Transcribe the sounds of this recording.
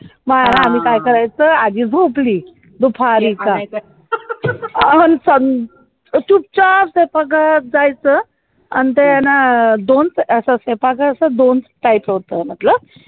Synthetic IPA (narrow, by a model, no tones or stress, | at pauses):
məɾanaːm̤iːkajkəɾajt͡səad̪iːd͡zʱopliː | d̪upʰaɾiːka | ənsən | t͡ɕup̚t͡ɕapsepaɡad͡zajt͡sə | a̰nit̪əjanad̪ont͡səsəsepaɡaəsəd̪ont͡sʈajpɦot̪əmat̪ləb